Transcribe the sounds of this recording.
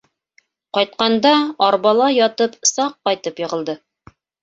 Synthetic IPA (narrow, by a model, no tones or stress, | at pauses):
qɒjt̪̚qɑnd̪ɑɒɾbɑlˠɑjɒt̪ɤpsɑqːɒjt̪ɤpjɤ̆ʁɤ̆lˠd̪ɤ